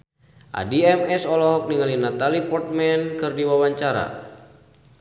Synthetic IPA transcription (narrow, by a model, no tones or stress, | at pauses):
ʔa̰diɛmɛsɔlɔɦɔk̚niŋalinat̪alipɔrt̪̚mɛnkɨrdiwawaɲt͡ʃaɾa̰